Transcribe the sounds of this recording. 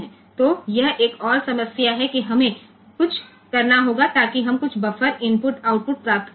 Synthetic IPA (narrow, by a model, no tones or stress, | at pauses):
ɛ̃ː | t̪oːjɐɦeːkɔːɾsɐməsjaɦɛkiɦɐmẽ | kʊt͡ʃʰ | kɐɾnaɦoːɡat̪aːkiɦɐmkʊt͡ʃʰbɐfəɾɪnpʊʈaːʊʈ̚pʊʈ̚pɾaːkt̪